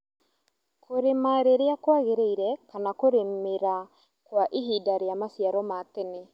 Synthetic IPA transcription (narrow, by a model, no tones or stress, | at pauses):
kʰoɾemaɾeɾeakwaɣeɾeiɾɛkanakoɾemeɾa | kwaʔeɦidaɾeamasjaɾɔmatene